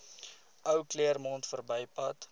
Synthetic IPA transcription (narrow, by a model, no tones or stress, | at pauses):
ʔœwkliərmɔntfərbəjpɐt